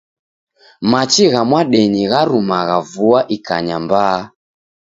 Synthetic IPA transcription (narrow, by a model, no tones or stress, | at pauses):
mat͡ʃiɣamwaɗɛɲiɣaɾumaɣavuaʔika̰ɲamba